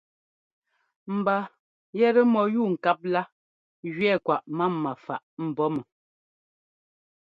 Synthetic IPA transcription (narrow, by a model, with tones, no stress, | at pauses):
m̩˨ba˨ | jɛ˦ɾə˦mɔ˨ju˦˨ŋ̩˨ka˦p̚la˦ | ɣɥɛ˦˨kwa˨ʔma˦mːa˨fa˨ʔm̩˨bɔ˦mə˨